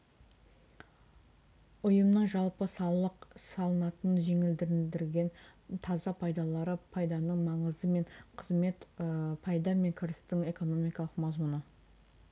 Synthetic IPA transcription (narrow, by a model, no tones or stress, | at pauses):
ʊjəmnəɴʒɑlˠpəsɑlˠəqsɑlˠənɑt̪ənʒe̞ŋɪld̪ɪɾɪd̪ɪɾɡʲe̞nt̪ʰɑzɑpʰɑjd̪ɑlˠɑɾəpʰɑjd̪ɑnəɴmɑɴəzd̪əme̞ɴqʰəzme̞t̪pʰɑjd̪ɑme̞ŋkʲʰɪɾɪst̪ɪŋe̞ko̞no̞mijkɑlˠəqmɑzmʊnə